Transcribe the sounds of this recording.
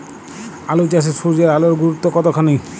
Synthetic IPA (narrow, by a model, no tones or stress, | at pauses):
alot͡ʃas̬esuɾd͡ʑaɾaloɾɡuɾut̪ːokɔt̪ɔkʰanej